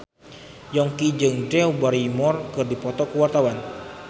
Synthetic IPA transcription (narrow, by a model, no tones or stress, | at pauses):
jɔŋkid͡ʒɨŋdɛubaɾimɔrkɨrdipɔt̪ɔkəwart̪awan